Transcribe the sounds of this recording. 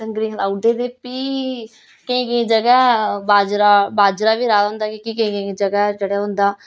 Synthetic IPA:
səŋɡɾiːɦlaːʊɖeːd̪eːpiː | keĩːkẽĩːd͡ʒəɡɛːbaːd͡ʒɾaːbaːd͡ʒɾaːʋiːɾaːd̪ɦʊ̃nd̪aːkikiːkə̃ĩkẽd͡ʒəɡɛd͡ʒəɽaːɦʊ̃nd̪aː

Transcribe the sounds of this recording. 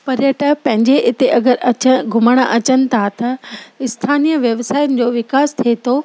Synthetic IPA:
pɐɾjəʈəpɐ̃ɦɪ̃ɲd͡ʑeʔɪt̪eʔɐɡəɾɐt͡ɕəɡʱʊməɽ̃əʔɐt͡ɕənɪ̆t̪ʰat̪ɐɪst̪ʰaːnijəʋjɐʋsaːjʊnɪ̆d͡ʑoːʋɪkaːst̪ʰiet̪ʰoː

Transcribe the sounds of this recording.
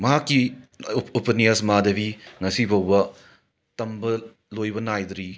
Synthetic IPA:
mɐɦakːi | opɐnijɐsmadɐbiŋɐsibɐwbɐ | tɐmbɐ | lojbɐnajd̪ɾi

